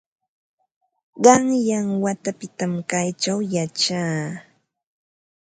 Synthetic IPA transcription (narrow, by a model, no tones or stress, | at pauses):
ɢɑŋjaŋwat̪apɪt̪amkajt͡ʃawjat͡ʃaː